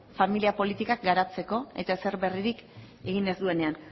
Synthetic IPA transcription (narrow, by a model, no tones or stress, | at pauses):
familiapo̞lit̪ikak̚ɡaɾat͡se̞ko̞e̞t̪aeseɾβe̞riɾik | e̞ɣ̞ine̞zd̪ue̞ne̞an